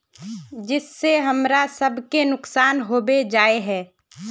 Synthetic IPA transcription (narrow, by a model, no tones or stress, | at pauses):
d͡ʒɪsːeɦɐmɾasɐbʱkenʊksaːnɦoːbed͡ʒaːeɦɛː